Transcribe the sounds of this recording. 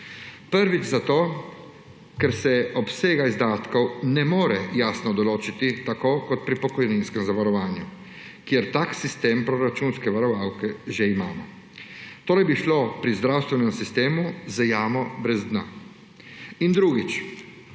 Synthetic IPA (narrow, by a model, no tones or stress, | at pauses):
pəɾʋit͡ʃzat̪oː | kɛɾsɛɔpseːɡaizd̪aːt̪kɔwnɛmoːɾɛjaːsnɔd̪ɔloːt͡ʃit̪it̪akoːkɔt̪pɾipɔkɔjninskɛmzaʋaɾɔʋaːnju | kjeɾt̪aːksist̪eːmpɾɔɾat͡ʃunskɛʋaɾɔʋaːwkɛʒɛimaːmɔ | t̪oːɾɛjbiʃloːpɾizd̪ɾawst̪ʋɛnɛmsist̪eːmuzajaːmɔbɾɛzd̪na̰ː | ind̪ɾuɡit͡ʃ